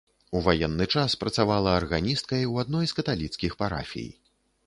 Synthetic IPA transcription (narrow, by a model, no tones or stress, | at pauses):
uvajɛnːɨt͡ʂaspɾɐt̪savalˠɐːrɣanʲist̪kɐjwad̪nɔjskɐt̪alʲit̪skʲixpaɾa̰fʲḭj